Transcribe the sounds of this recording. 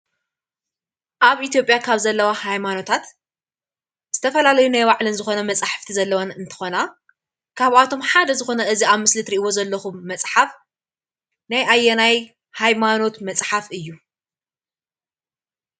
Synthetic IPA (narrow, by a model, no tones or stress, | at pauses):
ʔaβʔit̪ʰjo̞pʼjakʰaβzɐlːɐwahajmano̞t̪ʰat̪ | z̥ɨt̪ʰɐfɐlalɐjunajwaʕlɨnzɨxo̞nɐmɐt͡sʼaħḁft̪ʰizɐlːɐwanɨnt̪ʰɐ̥xo̞na | kʰaβat̪ʰo̞mħad̪ɐzɨxo̞nɐʔɨziaβmɨslɨt̪ɾiʔɨwo̞zɐlːɐxumːɐsʼħaf | najʔajːɛnaj | hajmano̞t̪mɐt͡sʼħafɨjːu